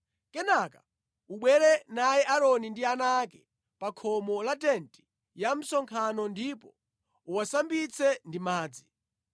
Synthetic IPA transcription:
kɛnakḁ | uɓwɛɾɛnajɛʔaɾɔnindianakɛ | pakʰɔmɔlatɛnti̥ | jam̩sɔŋkʰanɔndipɔ | uwasambit͡sʰɛndimaːd͡zi

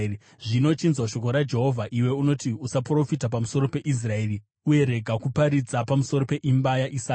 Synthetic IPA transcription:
ʐino̞t͡ʃinzwaʃo̞ko̞ɾad͡ʒe̞ɦo̞vʱaʔiwe̞uno̞tiusapro̞fitap̬amuso̞ɾo̞pe̞ʔis̬rae̞ːri | uje̞ɾe̞ɡʱakupaɾid͡zapamuso̞ɾo̞pe̞ʔimbajaʔisaːk

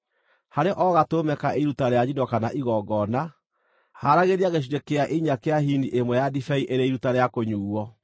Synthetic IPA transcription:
haɾeʔɔɣatomɛkaʔeɾutaɾejaɲidɔkanaʔiɣɔɡɔna | haɾaɣeɾiaɣeɕ̬iɾekeaʔeɲakeahiniʔemwɛjadifɛiʔeɾeiɾutaɾeakoɲuːɔ

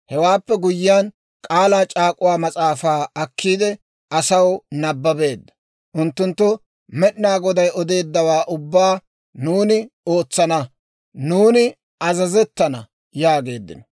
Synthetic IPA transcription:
hɛwaːpːɛɡʊjːɪjan | kʼaːlaːt͡ʃʼaːkʼʊwaːmɐt͡sʼaːfaːɐkʰːiːd̪ɛ | ɐsɐwnɐbːɐbe̞ːd̪ːɐ̥ | ʔʊnt̪ːʊnt̪ːʊ | mɛɗnaːɡɔd̪ɐjɔd̪e̞ːd̪ːɐwaːʔʊbːaː | nuːnɪo̞ːt͡sːɐnɐ | nuːnɪ | ɐzɐzɛt̪ːɐnɐ | jaːɡe̞ːd̪ːɪ̰nɔ

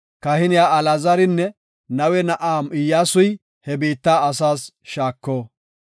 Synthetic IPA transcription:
kɐhɪnɪjaːɐlɐzɐɾɪnːɛ | nɐwɛnɐʔaːmɪjːaːsʊj | hɛbiːt̪ːaːɐsaːs | ʃaːkːoː

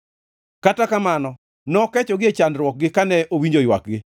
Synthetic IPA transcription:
katakamanɔ | nɔkɛt͡ʃɔɡɪet͡ʃanɾwɔk̚ɡɪkanɛʔowiɲd͡ʒojwa̰k̚ɡɪ

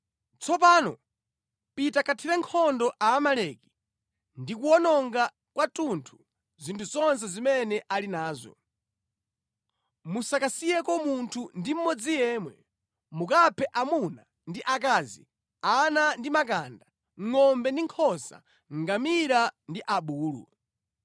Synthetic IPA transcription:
t͡sʰɔp̬aːnɔ̰ | pitakʰatʰiɾɛŋkʰɔndɔʔaːmalɛki̥ | ndikuɔnɔŋɡa | kwatuntʰu̥ | zintʰuzɔns̬ɛzimɛnɛʔalinaːzɔ̰ | musakasijɛkɔmuntʰundim̩mɔd͡zijɛːmwɛ̰ | mukapʰɛʔamuna | ndiʔak̬aːzḭ | anandimakanda | ŋŋɔmbɛndiŋkʰɔsa̰ | ŋɡamiɾandiʔaɓuːlṵ

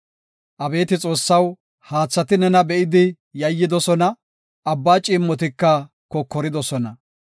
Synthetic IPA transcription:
ʔɐbe̞ːt̪ɪt͡sʼo̞ːsːɐw | haːt͡sːɐt̪ɪnɛnɐbɛʔɪd̪ɪ | jɐjːɪd̪ɔsɔnɐ | ɐbːaːt͡ʃʼɪmːɔt̪ɪkːɐ | kɔkːɔɾɪd̪ɔsɔnɐ

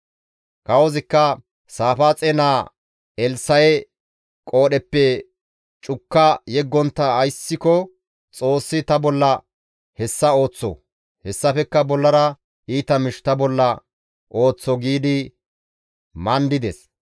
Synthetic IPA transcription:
kɐwɔzɪkːɐ | saːfaːt͡sʼeːnaː | ɛlsɐjɛ | kʼo̞ːɗɛpːɛ | t͡ʃʼʊkːɐjɛɡːɔnt̪ːɐːjsːɪkɔ | t͡sʼo̞ːsːɪt̪ɐbɔlːɐ | hɛsːɐo̞ːt͡sːɔ̰ | hɛsːɐfɛkːɐbɔlːɐɾɐ | ʔiːt̪ɐmɪʃt̪ɐbɔlːɐ | ʔo̞ːt͡sːɔɡiːd̪ɪ | mɐnd̪ɪd̪ɛs

